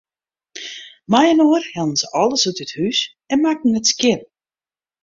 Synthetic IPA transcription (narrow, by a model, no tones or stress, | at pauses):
majənoːrhɛlˠən̩zəʔɔlˠəsytəthys | ɛnmak̚n̩ətskjɪn